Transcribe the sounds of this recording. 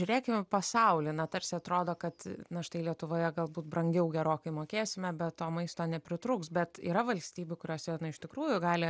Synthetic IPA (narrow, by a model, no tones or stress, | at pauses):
ʒʲʊɾʲeːkʲɪmʲɛpɐsɐʊlʲɪnɐt̪ɐɾʲsʲɪɐt̪ɾoːd̪oːkɐt̪nɐʃt̪ɐɪlʲiɛt̪ʊʋoːjɛɡɐlˠbuːt̪̚brɐŋʲɡʲɛʊɡʲɛɾoːkɐɪmoːkʲeːsʲɪmʲɛbʲɛt̪toːmɐɪst̪oːnʲɛpʲɾʲɪt̪ɾuːksbʲɛt̪ḭːɾɐʋɐlʲsʲt̪ʲiːbʲʊkʊɾʲoːsʲɛnʊɪʃt̪ʲɪkɾuːjʊɡɑːlʲɪ